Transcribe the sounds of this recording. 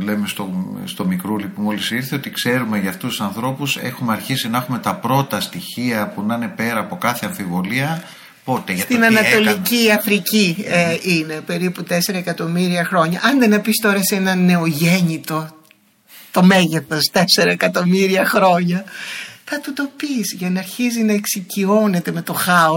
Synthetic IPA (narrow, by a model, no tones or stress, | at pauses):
le̞me̞st̪ost̪o̞mikɾulipumolisiɾθeo̞t̪ikse̞ɾumeʝɐːft̪usu̥sɐnθɾo̞puse̞̰xumeɐɾçisinɐexume̞t̪ɐpɾo̞t̪ɐst̪içiɐpunɐne̞pe̞ɾɐːpo̞kɐθe̞ɐɱfivo̞liɐ | po̞t̪e̞sʝɐt̪inɐnɐt̪o̞liciɐfɾiciine̞pe̞ɾiput̪e̞se̞ɾɐekɐt̪o̞miɾiɐxɾo̞ɲɐʔɐnðenɐpist̪o̞ɾɐsenɐnːe̞o̞ʝe̞ɲit̪o̞ | t̪o̞me̞ʝe̞θo̞st̪e̞se̞ɾɐekɐt̪o̞miɾiɐxɾo̞ɲɐθɐt̪ut̪o̞pisʝɐnɐɾçizinɐeksicio̞ne̞t̪eme̞t̪o̞xɐo